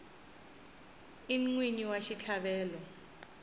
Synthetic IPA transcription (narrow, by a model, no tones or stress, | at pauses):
iŋwiniwaʃit͡ɬʰaɓɛːlɔ